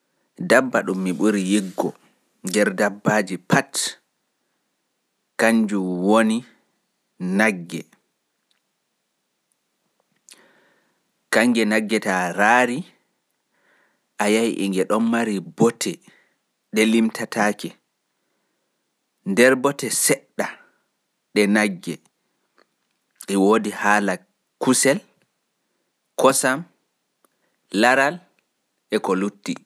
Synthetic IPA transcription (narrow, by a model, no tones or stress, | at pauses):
dabːaɗumːiɓuɾijiɡːɔ | ndɛɾdabːad͡ʒipʰat | kaɲd͡ʒumwoni | naɡːɛ̰ | kaŋɡɛnaɡːɛtaɾaːɾi | ʔajajiʔḭŋɡɛɗɔnmaɾibɔtʰɛ | ɗɛlimtʰatʰaːkɛ | ndɛɾbɔtɛsɛɗːa | ɗɛnaɡːɛ | ʔɛwoːdihaːla | kusɛl | kɔsam | laɾal | ʔɛkɔlutːi